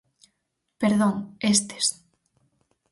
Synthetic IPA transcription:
peɾðoŋest̪e̥s

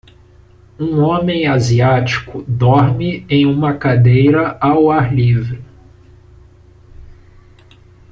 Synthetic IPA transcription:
ũõmẽj̃aziat͡ʃi̥kʊd̪ɔɾmɪẽj̃ũmɐkad̪ejɾɐawaɾlivɾɪ

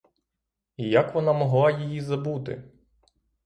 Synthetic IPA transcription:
ijakʋɔnamɔɦlˠɑjijizɐbut̪ɪ̰

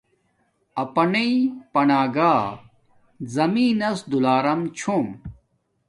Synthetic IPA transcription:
ɐpɐnɐipɐnaːɡaː | zɐmiːnɐsd̪ulaːɾɐmt͡ɕʰoːm

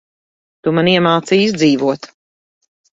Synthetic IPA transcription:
t̪umaniɛmaːt̪siːszd̪ziːvuɔt̪

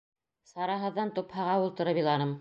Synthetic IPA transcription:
sɑɾɑɦɤ̆ðːɑnt̪uphɑʁɑulˠt̪ɤ̆ɾɤbilˠɑnɤm

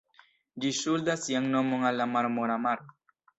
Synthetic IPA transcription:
d͡ʒiʃuld̪asiaŋnɔmoŋalamaɾmoɾamaɾ

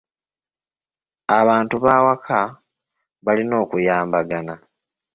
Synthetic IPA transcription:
aβaːntuβaːwakʰa | βalino̞ːkujaːmbaɡana

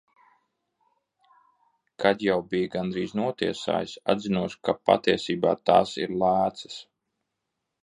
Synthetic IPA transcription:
kʰad̪jawbijɡand̪ɾiːznuɔt̪iɛsa̰ːjisa̰d̪zinuɔskapa̰t̪iɛsiːbaːt̪aːsḭɾlˠaːt̪sɐ̥s

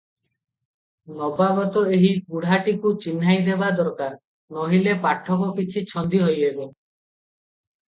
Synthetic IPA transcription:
nɔbabɔt̪ɔeɦikuɽ̤aʈikut͡ʃinːajd̪ebad̪ɔɾkaɾ | nɔɦilepaʈʰːɔkɔkit͡ʃʰit͡ʃʰɔnd̪iɦojebe

